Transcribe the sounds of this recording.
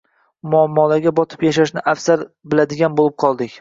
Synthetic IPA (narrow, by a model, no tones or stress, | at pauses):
mʊamːɒlaɡʲabɒt̪ʰɪ̥pjaʃaʃnɪʔafsaɾbɪlad̪ɪɡʲanbolˠɪp̚qʰɒlˠd̪ɪkʲ